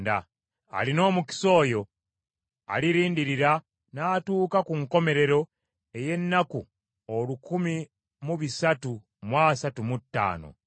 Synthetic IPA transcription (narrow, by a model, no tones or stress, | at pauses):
da̰ | a̰lino̞ːmuki̥so̞ːjo̞ | a̰liɾiːndiɾiɾa | naːtuːkakuŋko̞me̞ɾe̞ɾo̞ | e̞je̞nːaku | olukumi | muβisatu | mwaːsatumutːa̰ːno̞̰